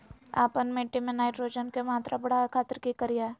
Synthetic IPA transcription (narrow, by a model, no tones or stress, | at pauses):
a̰ːpənmẽːʈimẽnaːɪʈɾoːd͡ʒənkemaːt̪ɾʔabɐɽakʰaːt̪əɾkikəɾijaː